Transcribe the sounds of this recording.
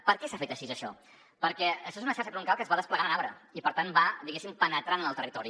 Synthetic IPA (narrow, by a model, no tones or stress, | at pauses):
pəɾkɛsafet̪əʃizəʃɔ̰ | pəɾkɛəʃɔezunəʃaɾʃəpɾuŋkalˠkəzβaðəspləɣanənaβɾəipəɾt̪anbad̪iɣesimpənət̪ɾanənəlˠt̪ərit̪ɔɾi